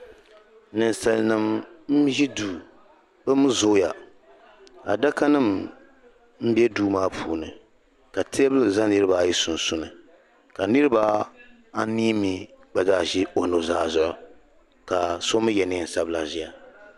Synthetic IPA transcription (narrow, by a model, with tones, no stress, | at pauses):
nɨ˨nsa˨lnɨ˨mm̩˦ʒi˦duː˨ | bɨ˦mɨ˦zo˦ja˨ | a̰˨da˦ka˦nɨ˦˨m | m̩˦bɛ˦duː˦maː˦pʰuː˨nɨ̰˨ | ka˨tʰe˦bɨ˦lɨ˨za˦nɨ˦ɾɨ˦ba˨ji˦sʊ˨n˨sʊ˦nɨ˨ | ka˨nɨ˦ɾɨ˦ba˦ | a˦niː˦mi˨ba˨zaː˦ʒi˦o˨no˨zaː˦zʊ˦ʔʊ̰˨ | ka˨so˦mɨ˦jɛ˨ni˦n̩˨sa˦bla˨ʒi˦a˨